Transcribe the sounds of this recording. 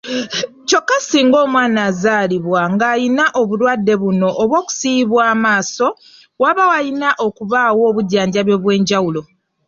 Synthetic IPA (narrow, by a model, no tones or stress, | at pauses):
co̞kːasiːŋɡo̞ːmwaːnaːzaːliβwaŋɡaːjinaʔoβulwadːe̞βuno̞ʔːβwo̞ːku̥siβwaːmaːso̞ | waβawajinaʔo̞kuβaːwo̞ːβuɟaːɲɟaβjo̞βwe̞ːɲɟawulo̞